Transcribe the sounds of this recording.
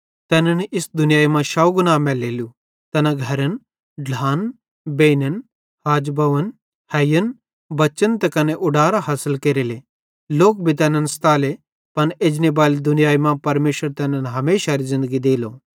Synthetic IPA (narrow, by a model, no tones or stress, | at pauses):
t̪ɛːnənʔɪsd̪ʊnɪjaːimãʃawɡʊnaːmɛːleːlu | t̪ɐnaɡʱɐɾən | ɖʱlaːn | beːnən | haːd͡ʒbɐʋən | hɐjən | bɐt͡ʃənt̪ɛkɐneʔʊɖaːɾaɦɐsɪlkeɾele | loːk̚bʱit̪ɛːnənst̪aːle | pɐneːd͡ʒnebaːlid̪ʊnɪjaːimãpɐɾmeːʃəɾt̪ɛːnənɦɐmeːʃaɾizɪ̃nd̪əɡid̪eːloː